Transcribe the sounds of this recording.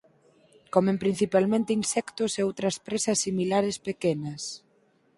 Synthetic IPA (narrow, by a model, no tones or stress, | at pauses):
kɔmẽmpɾin̟θipalmẽnt̪einsɛkt̪ʊseowt̪ɾɐspɾesɐsːimilaɾespekenɐs